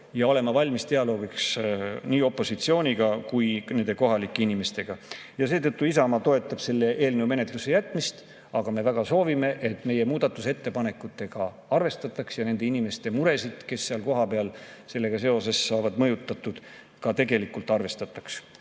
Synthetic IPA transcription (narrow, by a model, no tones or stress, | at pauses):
jɑo̞le̞mːɑvɑlʲmist̪e̞ɑlo̞ːɡiksniːo̞pːˑo̞sit̪sio̞ːnʲiɡ̥ɑkujne̞nd̪̥e̞ko̞ɦɑlikːˑeinime̞st̪e̞ɡ̥ɑjɑseːt̪ɤ̞t̪ːuisɑmɑt̪o̞e̞t̪ːˑɑb̥se̞lːe̞ʔe̞ːlnewme̞ne̞t̪ˑluse̞jæt̪ːˑmist̪ | ɑɡ̥ɑme̞væɡ̥ɑso̞ːvime̞ʔe̞t̪ːˑme̞je̞muːd̪̥ɑt̪ːˑuse̞t̪ːe̞pɑne̞kːˑut̪ːˑe̞ɡ̥ɑ | ɑrve̞st̪ɑt̪ːˑɑksjɑne̞nd̪e̞inime̞st̪e̞muɾe̞sid̪̥ke̞sːeɑlko̞ɦɑpe̞ɑlse̞lːe̞ɡ̥ɑse̞o̞se̞sːɑːvɑd̪̥mɤjut̪ːˑɑt̪ːˑud̪̥ | kɑt̪e̞ɡe̞likːult̪ˑɑrve̞st̪ɑt̪ːˑɑ̥ks